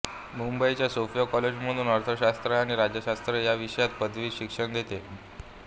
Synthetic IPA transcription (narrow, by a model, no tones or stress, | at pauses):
mumbəit͡ɕjasofijɔkɔled͡ʑm̤əd̪uːnəɾt̪ʰəɕast̪ɾəaɽ̃iɾad͡ʑjəɕast̪ɾəjaʋiʂəjat̪pəd̪ʋiːɕikʂəɳd̪ʱet̪e